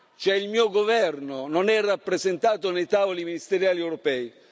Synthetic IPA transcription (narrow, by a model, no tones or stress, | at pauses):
t͡ʃɛilmiːoɡovɛrnononɛrːapːɾezent̪aːt̪onejt̪aːvoliminist̪eɾjaːliɛwɾɔpɛːi